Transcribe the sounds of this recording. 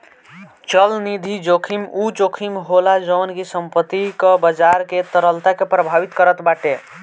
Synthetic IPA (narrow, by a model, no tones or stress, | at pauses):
t͡ʃəlnid̪ʱid͡ʒokʰimud͡ʒokʰimɦolad͡ʒəːnkisəmpət̪ːikəbəd͡ʒaɾket̪əɾəlt̪akepɾəbʱabit̪kəɾət̪baʈe